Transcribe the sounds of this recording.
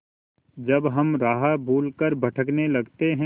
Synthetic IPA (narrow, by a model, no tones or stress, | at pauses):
d͡ʒɐbɦɐmɾaːɦabʱuːlkəɾbɐʈʰəknelɐɡt̪eɦɛ̃